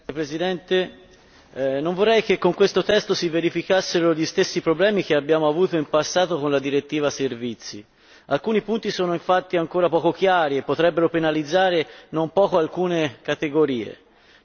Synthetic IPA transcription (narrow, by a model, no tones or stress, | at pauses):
pɾezid̪ɛnt̪e | nːoɱvorːɛjk̟ekːoŋkwest̪ot̪ɛst̪osiveɾifikasːeɾoʎist̪esːipɾoblɛːmik̟eabːjaːmoavuːt̪oimpasːaːt̪okonlad̪iɾet̪ːiːvaservit̪sːi | alkuːnipunt̪isoːnoiɱfat̪ːiaŋkoːɾapɔːkokjaaːɾiepːot̪ɾɛbːeɾopenalid̪zːaːɾenompɔːkoalkuːnekat̪eɡoɾiːḛ